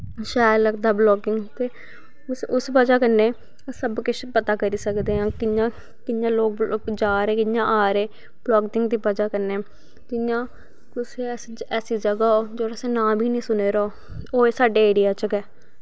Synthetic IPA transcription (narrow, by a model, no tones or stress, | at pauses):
ʃɛːləɡd̪aːblɔːkɪŋɡt̪eː | sʊsbəd͡ʒaːkəɾneː | səbkɪt͡ʃʰpət̪aːkəɾiːsəkd̪eːɦãːkɪjãː | kɪjãːloːk̚ːkd͡ʒaːɾeːkɪnjãːʔaːɾeː | b̥lɔːɡt̪ɪŋɡd̪iːpəd͡ʒaːkəɾneː | kɪjãː | kʊseː | ɛːsiːd͡ʒəɡaːoːd͡ʒoːɾseːnãːbʱiːnĩːsʊneːɾoː | oːeːsaːɖeːeːɽɪjaːt͡ʃəkɛː